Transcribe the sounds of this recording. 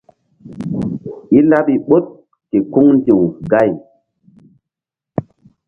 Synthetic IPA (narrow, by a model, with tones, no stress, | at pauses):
ʔi˦la˦ɓi˨ɓo˦t̚ | ke˨ku˦ŋndĩ˨wɡa˦˨j